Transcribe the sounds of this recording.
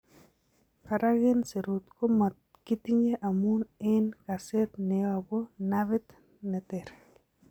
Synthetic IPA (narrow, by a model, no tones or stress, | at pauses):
kaɾaɣɪnseɾut̪komat̪̚ | kit̪iɲeʔamunɪnkaset̪nɛabonaβɪt̪ | nɛt̪ɛɾ